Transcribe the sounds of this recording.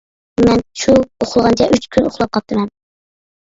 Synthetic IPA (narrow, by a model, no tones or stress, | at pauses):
mɛnʃuoχʊlˠʁɑnt͡ʃʰɛʔyt͡ʃkʲʰynoχlˠɑp̚qʰɑp̚t̪ʰːɨmɛn